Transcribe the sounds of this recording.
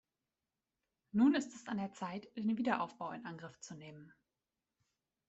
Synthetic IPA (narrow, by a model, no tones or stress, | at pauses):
nuːnɪstɛsandeːɐt͡saɪtd̥eːnviːdɐʔaʊfb̥aʊɪ̰nʔanɡʁɪft͡suneːmən